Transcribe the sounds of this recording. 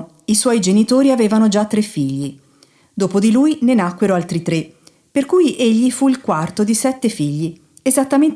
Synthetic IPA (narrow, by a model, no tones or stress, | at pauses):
iswɔjd͡ʒenit̪oːɾiaveːvanod͡ʒat̪ːɾefːiʎːi | d̪oːpod̪iluːjnenakweɾoalt̪ɾit̪ɾe | perkujʔeʎːifuilkwart̪od̪isɛt̪ːefiʎːi | ezat̪ːamen